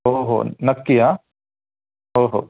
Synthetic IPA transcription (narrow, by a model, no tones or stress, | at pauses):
ɦoːɦo̰ːnɐkːija | ɦoːɦo̰ː